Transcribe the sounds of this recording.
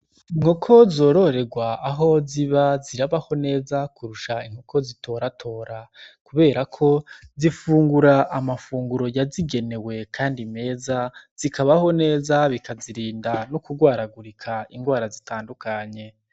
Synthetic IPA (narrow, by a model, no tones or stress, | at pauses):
iŋ̥hokʰo̞zo̞ːɾo̞ɾe̞ɡwaːɦo̞ziβaziɾaβaho̞ne̞ːzakuɾuʃaiŋ̥ho̞kʰo̞zitʰo̞ɾatʰo̞ːɾakuβe̞ːɾakʰo̞zifuːŋɡuɾaʔamafuːŋɡuɾo̞jaziɡe̞ne̞we̞kʰaːndime̞ːzaz̥ikaβaho̞ne̞ːzaβikaziɾiːndanokuɡwaːɾaɡuɾikʰaiŋɡwaːɾazitaːndukaɲe̞